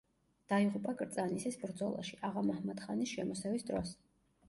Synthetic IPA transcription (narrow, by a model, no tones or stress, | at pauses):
d̪̥aiʁupʼakʼɾt̪sʼanisɛsbɾd̪zɔlˠa̰ʃiʔaʁamahmat̪χanisʃɛmɔsɛvisd̪ɾɔs